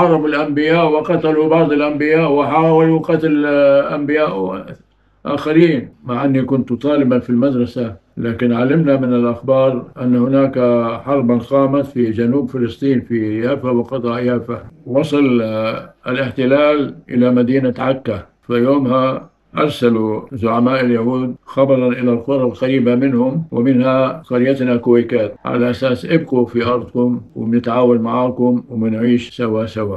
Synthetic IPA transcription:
ħɑɾˤɑbʊlʔambɪjaːʔwɪqɑt̪alubɑʕd̪ˤɪlʔambɪjaːʔwɪħaːwaluqɑt̪alʔambɪjaːʔ | ʔa̰ːxaɾiːnmaʕʔanːikʊnt̪t̪ˤɑːlɪbanfilmad̪ɾˤɑsalaːkɪnʕalɪmnamɪnɪlʔaxbɑːɾˤʔanːhʊnaːkaħɑɾˤbanqɑːmat̪fid͡ʒanuːbfɪlɨsˤt̪ˤiːnfijaːfawɪqɑt̪ˤɑʔjaːfawɑsˤɨl | ʔalɪħt̪ɪlaːlʔɪ̰lamad̪iːnaʕakːa | fajoːmha | ʔɑɾˤsaluzʊʕamaːʔɪljahuːd̪̚xɑbɑɾˤɑnʔɪlalqʊɾˤɑlqaɾiːbamɪnhʊmwʔɪmɪnhaqɑɾjat̪nakʊwajkaːt̪̚ʕa̰laʔasaːsʔɪbqufiʔɑɾˤd̪ˤkʊmwɪ̰mnɪt̪ʕaːwalmaʕaːkʊmwmɪnʕiːʃsawasawaːʔ

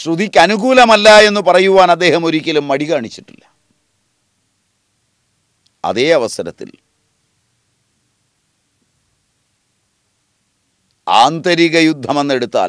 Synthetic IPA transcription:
ɕrud̪ikʲːɐnuɣuːlɐmɐlːae̞nːupɐrɐjuʋaːnɐd̪ːe̞ːhɐmo̞ɾikʲːɐlumːɐɽikaːɳit͡ɕːiʈːḭlːɐ | ɐ̰ðe̞ːɐʋɐsɐɾɐt̪ːḭl | a̰ːnt̪ɐɾiɣɐjud̪ʱːɐmenːe̞ɽut̪ːa̰ːl

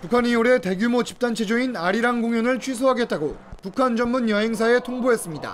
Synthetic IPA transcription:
pukʰanioɾe̞te̞ɡjumot͡ɕi̥p̚t͈ant͡ɕʰe̞d͡ʑoinaɾiɾaŋɡoŋjʌnɯɭt͡ɕʰɥis̬ʰoɦaɡe̞t̚t͈aɡopukʰand͡ʑʌnmunjʌɦe̞ŋs̬ʰae̞tʰoŋboɦe̞s͈ɯmɲida̰

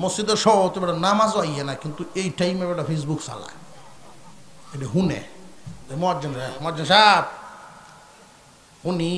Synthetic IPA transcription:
mosd͡ʑid̪eɾʃɔt̪ebɛɖanamazoajanakint̪uejʈajmebaɖapʰes̬buksa̰la̰ | eɖaɦunḛemoad͡ʒanamɔad͡ʒanʃab̚ | huni

